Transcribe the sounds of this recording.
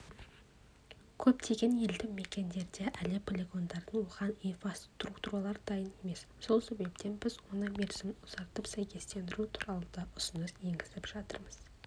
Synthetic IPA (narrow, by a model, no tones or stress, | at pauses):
kʲʰɵpt̪ʰe̞ɡʲe̞nje̞ld̪ɪme̞kʲe̞nd̪e̞ɾd̪e̞ʔælɪpʰolʲe̞ɡo̞nd̪ɑɾd̪əɴwoʁɑninfast̪rukt̪uɾɑlˠɑɾd̪ɑjəne̞me̞s | so̞lˠse̞be̞p̚t̪ʰe̞nbɪzwo̞nəme̞ɾzɪmʊz̥ɑɾt̪əpsæjkʲʰe̞st̪e̞nd̪ɪɾut̪ʰuɾɑlˠəd̪ɑʔʊsʊnəsje̞ŋɡʲɪzɪpʒ̥ɑt̪ə̰ɾməz̥